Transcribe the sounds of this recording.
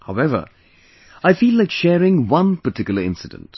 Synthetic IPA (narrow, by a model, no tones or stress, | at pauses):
haʊɛvə̰˞ | aɪfilaɪkʃɛːɹɪ̃ŋwʌ̃npətʰɪkjl̩ˠə˞ɪ̰̃nsɨdə̰̃nt